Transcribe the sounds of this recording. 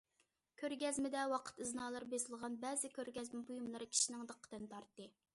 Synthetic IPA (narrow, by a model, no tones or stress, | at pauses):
kʲʰøɾɡʲɛzmɪd̪ɛwɑqʰə̥t̪ɨznɑːlˠɑɾbesɪlˠʁɑnbɛːzɪkʲʰøɾɡʲɛzmɪbujumlˠɨɾɨkʲʰi̥ʃinɪŋd̪əqʰːə̥d̪ɨnt̪ʰɑɾt̪ːɨ